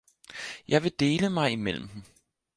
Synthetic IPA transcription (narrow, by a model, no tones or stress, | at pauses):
jɑ̈ɪʋe̝d̥e̝ːləmɑ̈ɪimel̰m̩m̩